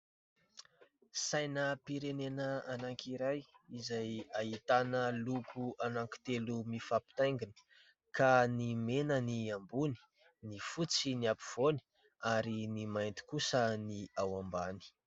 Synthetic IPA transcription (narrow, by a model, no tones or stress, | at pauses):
sajnəpiɾenenəanaŋkʰiɾajizajait̪anəlukʰuanaŋki̥t̪elumifapi̥t̪ajŋɡini̥ | kanimenəniambuni̥ | nifut͡siniapiv̥oni̥ | aɾinimajnt̪i̥kusəniawambani̥